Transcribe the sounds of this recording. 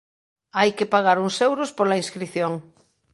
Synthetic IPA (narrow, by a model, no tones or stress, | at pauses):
ajkepaɣ̞aɾuŋsewɾospoɾlaĩnskɾiθjoŋ